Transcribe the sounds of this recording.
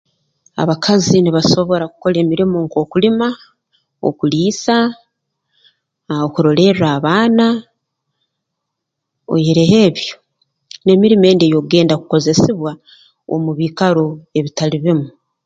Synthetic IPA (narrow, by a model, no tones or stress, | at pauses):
a̰βakʰaziniβaso̞βo̞ɾaku̥ko̞le̞ːmiɾimo̞ŋko̞ːkulima | o̰kuliːsa | okuɾo̞le̞ɾaːβaːna | o̰jeɾeɦe̞ːβjo̞ | ne̞miɾime̞ːndejo̞ɡe̞ːndakuko̞ze̞siβwa | o̰muβiːkaɾoe̞βitaliβimu